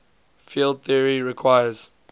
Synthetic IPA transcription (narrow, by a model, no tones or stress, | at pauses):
filˠd̪̚θiəɹiɹikʰwaɪjəz̥